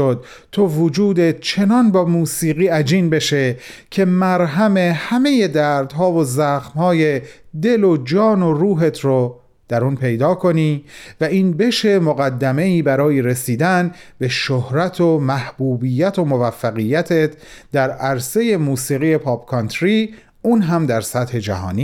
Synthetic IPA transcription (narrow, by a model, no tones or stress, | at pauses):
od̪̚ | t̪ʰovod͡ʒuːd̪et͡ʃʰe̞nɒnbɒːmuːsiːɣiːæd͡ʒiːnbe̞ʃe̞cʰe̞mæɾɦæme̞hæme̞je̞d̪æːɾd̪ɦɒːvozæxmhɒːje̞d̪e̞lo̞d͡ʒɒːno̞ruːɦe̞t̪ʰɾo | d̪̥æɾuːnpʰe̞jd̪ɒːkʰo̞niːvæiːnbe̞ʃe̞moɣæd̪ːæme̞iːbæɾɒːjeɾesiːd̪ænbe̞ʃohɾæt̪ʰomæhb̥uːbijːæt̪ʰo̞movæfːæɣijːæt̪ʰet̪ʰd̪æɾæɾse̞je̞muːsiːɣije̞pʰɒːbkʰɒnt̪ʰɾi | uːnɦæmd̪æɾsæt̪he̞d͡ʒæ̰ɦɒ̰ːniː